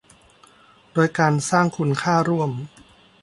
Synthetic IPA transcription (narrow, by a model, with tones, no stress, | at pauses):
doː˧jkaː˧nsaː˥˩ŋkʰu˧nkʰaː˥˩ɾu˥˩əm